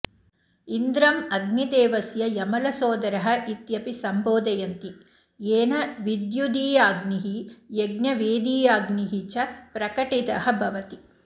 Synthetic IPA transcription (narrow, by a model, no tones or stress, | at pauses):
ind̪ɾɐmɐɡnid̪eːʋɐsjɐjɐmɐlɐsoːd̪ɐɾɐɦɐ̆ʔit̪jɐpisɐmboːd̪ɐjɐnt̪i | jeːnɐʋid̪jud̪iːjaːɡniɦijeɡnjɐʋeːd̪iːjaːɡniɦit͡ʃɐpɾɐkɐʈit̪ɐɦɐbʱɐʋɐt̪i